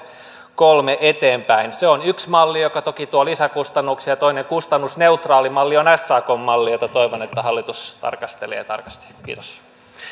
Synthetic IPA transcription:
kolmeʔet̪eːmpæinseonyksmɑlːijokɑt̪okit̪uolisækust̪ɑnːuksjɑt̪oineŋkust̪ɑnːusneut̪rɑːlimɑlːionæsːɑːkomːɑlːijot̪ɑt̪oiʋonet̪ːæhɑlːit̪ust̪ɑ̰rkɑst̪elḛːt̪ɑ̰rkɑst̪i̥kḭːt̪o̥s

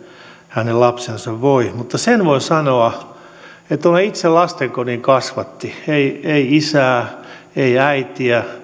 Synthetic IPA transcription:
hænellɑpsensɑʋʋoimut̪ːɑsenʋoisɑnoɑ | et̪t̪onɑit̪selɑst̪eŋkoniːŋkɑsʋɑt̪ːieieiisæː | eiæit̪iæ

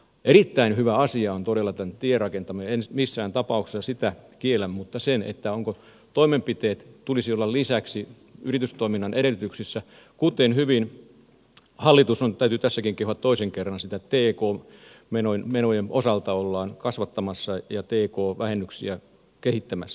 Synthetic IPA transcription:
ʔerit̪ːæinhyʋæɑsiɑont̪odelːˑɑt̪æntt̪ierrɑkent̪ɑmɑensmisːæːnt̪ɑpɑˑukse̥sːɑsit̪ækielæmmut̪ːɑsenḛt̪ːæoŋko | t̪oimempit̪eːt̪t̪ulisiolːɑllisæksi | yrit̪yst̪oiminːɑnʔeɾelːˑyt̪yksisːæ | kut̪enhyʋin | hɑlːit̪usont̪æyt̪yt̪æsːækiŋkehuʋɑt̪t̪oiseŋkerːɑnsit̪æt̪eːkoːmenonmenojemʔosɑlt̪ɑolːɑːnkɑsʋɑt̪ːɑmɑsːɑjɑt̪eːkoːʋæhenːyksḭæ | kehit̪ːæmæsːæ̥

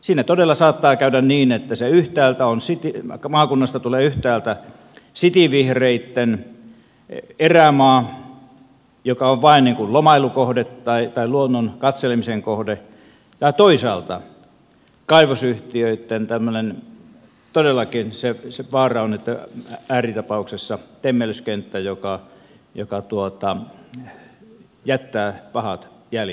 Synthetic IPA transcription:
siːnæt̪odelːˑɑsɑːt̪ːɑːkæydænniːnet̪ːæseyht̪æːlt̪æonsit̪imɑːkunːɑst̪ɑt̪uleːyht̪æːlt̪æ | sit̪iʋihreit̪ːen | eræmɑː | jokɑoʋʋɑinniːŋkullomɑilukohdet̪tɑit̪ɑiluonːonkɑt̪selemiseŋkohde | t̪ɑˑit̪oisɑːlt̪ɑ | kɑiʋosyht̪iøit̪ːent̪æmːønen | t̪odelːˑɑkinseseʋɑːrɑonet̪ːææːrit̪ɑpɑuksesːɑt̪emːeløskent̪ːæjokɑ | jokɑt̪uot̪ɑ | jæt̪ːæːpɑhɑt̪jæl

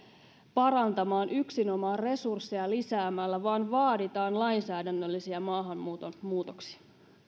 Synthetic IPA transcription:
pɑɾɑnt̪ɑmɑːnʔyksino̞mɑːre̞sursːiɑlisæːmælːæʋɑːnʋɑːdit̪ɑːnlɑjnsæːdænːølːisiɑmɑːɦɑmːuːt̪omuːt̪oksi̥ɑ

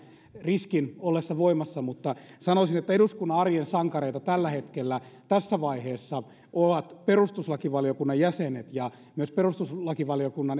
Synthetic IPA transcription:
riskinolːesːɑʋoimɑsːɑmut̪ːɑsɑnosinet̪ːæeduskunːɑɑrjensɑŋkɑreit̪ɑt̪ælːæhet̪kelːæt̪æsːæʋɑiheːsːɑ | oʋɑt̪perust̪uslɑkiʋɑlijokunːɑjjæsenet̪jɑ | myøsperust̪uslɑkiʋɑlijokunːɑn

